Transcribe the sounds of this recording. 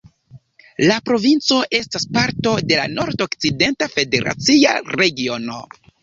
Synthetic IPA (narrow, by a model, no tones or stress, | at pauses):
lapɾo̞vint͡so̞ʔe̞staspaɾto̞de̞la̰no̞ɾdokt͡side̞ntafe̞de̞ɾʔa̰t͡sia̰ɾe̞ɡio̞no̞̰